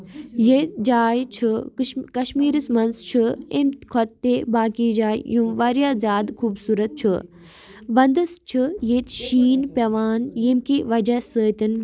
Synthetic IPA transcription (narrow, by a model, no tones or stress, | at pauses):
jet̪d͡ʒaːjt͡ʃʰɨkɐʃmiːɾəsmɐnst͡ʃʰɨḛmt̪kʰɐt̪ːebaːkiːd͡ʒaːjjũːʋɐɾjaːzʲjaːd̪kʰuːbsuːɾɐt̪̚t͡ʃʰɨ | ʋɐnd̪ɨst͡ʃʰɨjet̪ʃiːnpʲɐʋaːnjemkiʋɐd͡ʒɐsəːt̪ɨn